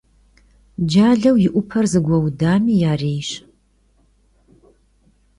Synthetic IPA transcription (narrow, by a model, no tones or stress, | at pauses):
d͡ʒaːɮɐwjɪʔʷʊpʰɐrzɨɡʷɐwdaːmiːjaːreːjɕ